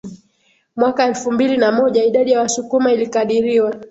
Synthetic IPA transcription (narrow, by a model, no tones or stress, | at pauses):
mwakaɛlfumbilinamɔʄaiɗaɗijawasukumailikaɗiɾiwa